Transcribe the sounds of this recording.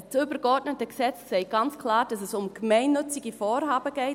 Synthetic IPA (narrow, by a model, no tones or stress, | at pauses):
t͡sʏbəɾɡɔɾdnətəksɛt͡ssɛɪɡ̥ɑnt͡skʰlɑːɾd̥ɑsɛsʊmɡ̥mɛɪnːʏt͡siɡifɔːɾɦɑːbəɡɛɪ